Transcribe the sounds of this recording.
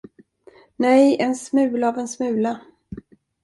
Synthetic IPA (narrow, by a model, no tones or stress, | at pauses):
nɛjɛnsmʉ̟ːlavɛnsmʉ̟ːla